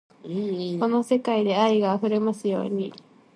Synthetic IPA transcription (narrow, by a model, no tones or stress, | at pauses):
ko̞no̞se̞kaid̪e̞aiɡaːɸɯ̟ɾe̞masɨjo̞̰ːɲ̟i